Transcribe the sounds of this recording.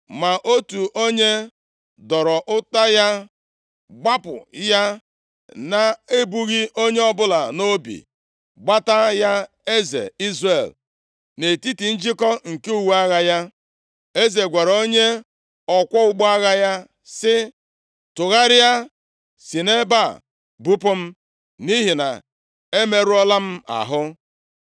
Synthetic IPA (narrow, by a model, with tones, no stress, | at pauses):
ma˨ʔo˦tu˨ʔo˦ɲe˦ | dɔ˨ɾɔ˨ʔʊ˦ta˦ja˦ | ɡ͡ba˦pʊ̰˨ja˦ | na˦e˦bu˦ɣi˦ʔo˦ɲe˦ɔ˦bʊ˦la̰˨no˦bḭ˨ | ɡ͡ba˦ta˦ja˦ | e˦zḛ˨i˦zre˨l | ne˨ti˦ti˨n̩˦d͡ʒɪ˦kɔ˦ŋ̩˨ke˦u˨wu˦a˦ɣa˦ja˦ | e˦ze˨ɡʷa˨ɾo˦ɲe˦ | ɔ˨kʷɔ˦ʊ˦ɡ͡bɔ˦a˦ɣa˦ja˦ | sɪ˦ | tʊ˨ɣa˦ɾɪ˦ja˦ | si˨ne˦ba˦˨ | bu˦pʊ˦m̩˦ | ni˦ɦi˨na̰˨ | e˦me˦ɾu˦ɔ˦la˦m̩˦a̰˨ɦʊ˦